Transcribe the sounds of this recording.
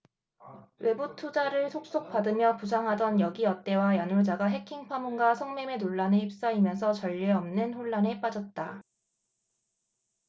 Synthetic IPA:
we̞butʰud͡ʑaɾɯɭsʰok̚s͈ok̚p͈adɯmjʌpus̬ʰaŋɦadʌnjʌɡiʌt͈e̞wajanuɭd͡ʑaɡaɦe̞kʰiŋpʰamunɡasʰʌŋme̞me̞noɭːaneip̚s͈aimjʌnsʰʌt͡ɕʌʎːeʌmnɯnɸoɭːane̞p͈ad͡ʑʌt̚t͈a

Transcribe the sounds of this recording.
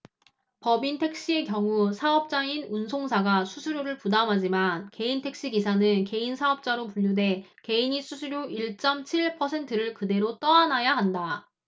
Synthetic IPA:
pʌbintʰe̞k̚ɕ͈ie̞kjʌŋusʰaʌp̚t͡ɕ͈ainunsʰoŋsʰaɡasʰusʰuɾjoɾɯɭpudamɦad͡ʑimanke̞intʰe̞k̚ɕ͈iɡisʰanɯnke̞insʰaʌp̚t͡ɕ͈aɾopuʎːude̞ | ke̞iɲisʰusʰuɾjoiɭt͡ɕ͈ʌmt͡ɕʰiɭpʰʌsʰe̞ntʰɯɾɯɭkɯde̞ɾot͈ʌanajaɦanda

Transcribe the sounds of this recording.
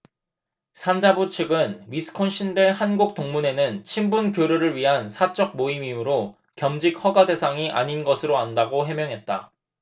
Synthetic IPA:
sʰand͡ʑabut͡ɕʰɯɡɯnɥisʰɯ̥kʰonɕʰindeɭhanɡuk̚t͈oŋmune̞nɯnt͡ɕʰimbunkjoɾuɾɯɭɥiɦansʰat͡ɕ͈ʌk̚moimimɯɾo | kjʌmd͡ʑik̚hʌɡade̞sʰaŋiʔa̰ɲinɡʌsʰɯɾoandaɡoɦe̞mjʌŋɦe̞t̚t͈a̰

